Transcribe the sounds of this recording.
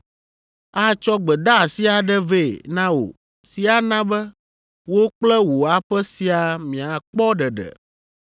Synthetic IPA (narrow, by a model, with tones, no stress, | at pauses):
a˦t͡ʃɔ˦ɡ͡bɛ˨d̪a˦˨si˦a˨ɖɛ˦ve˦˨nã˦wo̰˨ | si˨a˨nã˦bɛ˦ | wo˦k͡plɛ˦wo˨a˨ɸɛ˦si˨a˨mĩ˨a˨k͡pɔ˦ɖɛ˨ɖɛ̰˨